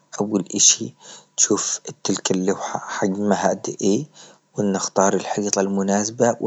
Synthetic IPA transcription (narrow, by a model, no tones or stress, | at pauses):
ʔawːalʔɪʃit̪ʃuːft̪ːɪlkalːawħaħaɡmaɦaʔd̪ʔeː | wɪnːɪxt̪ɑːɾˤɪlħiːt̪ˤɑlmʊnaːsbaw